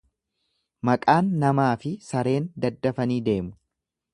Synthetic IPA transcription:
mɐkʼaːnːɐmaːfɪsɐɾe̞ːnd̪ɐd̪ːɐfɐniːd̪e̞ːmʊ

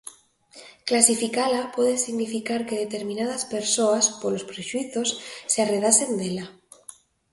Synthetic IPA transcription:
klasifikalapweðesiɣnifikaɾke̞ð̞e̞t̪e̞ɾmĩnað̞aspe̞ɾsoaspolo̞spɾeʃwiθo̞sːeare̞ðase̞nd̪ela

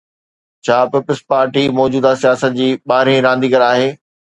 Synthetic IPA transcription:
t͡ɕʰaːpɪpəspaːɾʈimɔːd͡ʑuːd̪asijaːsət̪̚d͡ʑiːɓaːɾẽɾãːnd̪iːɡɐɾaːɦeː

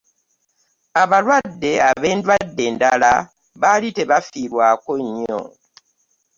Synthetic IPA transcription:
aβalwadːe̞aβe̞ːndwadːe̞ːndala | βalite̞βafiɾwaːkoɲːo̰

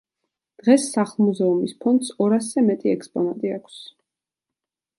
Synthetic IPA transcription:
d̪̥ʁɛsːaχlˠmuzɛumispʰɔnt̪sɔɾaszɛmɛt̪ʼiɛ̰kʰspʼɔnat̪ʼiakʰs

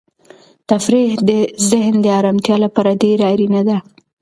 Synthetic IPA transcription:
t̪afɾihd̪əzɪɦnd̪əaɾɑmt̪jɑlapɑɾad̪eɾaɾinad̪a

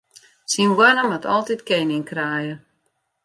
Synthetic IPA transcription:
sinwanəmatʰɔlˠtitkɛnɪŋkraːjə

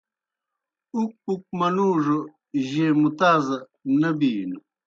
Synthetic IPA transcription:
uk̚uk̚mɐnuːʐo | ʑeːmut̪aːzɐ | nɐbiːnu

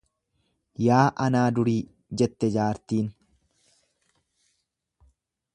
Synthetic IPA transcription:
jaːʔɐnaːd̪ʊɾiː | d͡ʒɛt̪ːɛd͡ʒaːɾt̪iːn

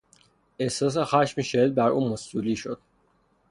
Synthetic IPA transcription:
ehsɒːs̬exæʃmiʃed̪̚bæɾṵːmosuliːʃod̪̥

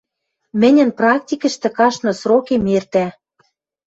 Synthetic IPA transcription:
mɘ̆nʲɘ̆nprɑktʲikə̆ʃt̪ɘ̆kɑʃnɤ̆srokemert̪æ

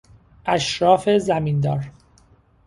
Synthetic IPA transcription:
ʔæʃɾɒːfezæmiːnd̪ɒːɾ

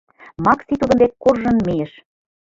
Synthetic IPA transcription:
mɑksit̪ud̪ɤ̆nd̪ekkːorʒɤ̆nmejĕʃ

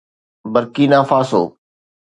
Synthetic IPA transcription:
bəɾkiːnãːfaːso̰ː

